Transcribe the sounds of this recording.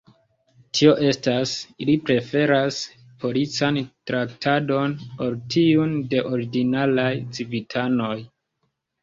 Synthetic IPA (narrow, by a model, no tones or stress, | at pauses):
tʰio̞ʔe̞stasilipɾe̞fe̞ɾas | pʰo̞lit͡santɾaktʰado̞npo̞ɾtʰiunde̞ʔo̞ɾiɡinalajt͡sivitʰano̞j